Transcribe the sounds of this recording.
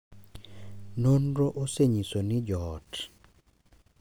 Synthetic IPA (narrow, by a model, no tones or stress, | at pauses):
nonɾoʔoseɲisonɪd͡ʒɔːt